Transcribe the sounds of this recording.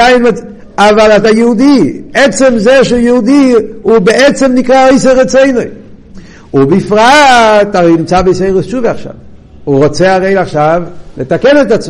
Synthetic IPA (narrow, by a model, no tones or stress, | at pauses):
aɪnmɛ | avalatajuudiɛt͡sɛmzɛʃujɛhudiʊbɛɛt͡sɛmnɪkʁaoɪsəʁɛt͡soɪnoɪ | ʊbɪfʁataʁeɪmt͡sabeseɪʁəst͡ʃuːvɛaχʃa̰v | ʊʁɔt͡seaʁeɪlaχʃavlətakɛnɛtat͡s